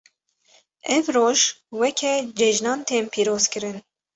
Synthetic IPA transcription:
ɛvroːʒwɛkʰɛd͡ʒɛʒnɑːnt̪ʰeːmpʰiːɾoːz̥kɨɾɨn

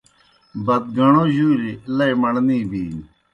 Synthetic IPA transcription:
bɐt̪̚ɡɐɳoʑuːɾilɐimɐɳniːbiːn

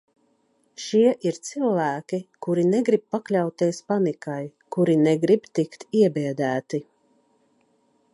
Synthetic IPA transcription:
ʃiɛʔiɾt̪silˠvæːkʲikuɾineɡɾib̚paklʲawt̪iɛspanikajkuɾinɛɡɾibt̪ikt̪iɛbɛɛd̪æːt̪i

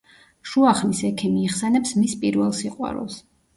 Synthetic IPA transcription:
ʃuaχmisɛkʰɛmiːχsɛnɛpsmispʼiɾvɛlˠsiqʼwa̰ɾṵlˠs

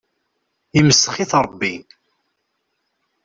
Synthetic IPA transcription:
iməsːəχiθɾˤəbːi

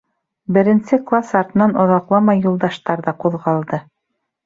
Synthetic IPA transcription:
bɘ̆ɾɘ̆nsɘklˠasɑɾt̪ɤ̆nɑnŏðɑqlˠɑmɑjːulˠd̪ɑʃt̪ɑɾðɑquðʁɑlˠd̪ɤ

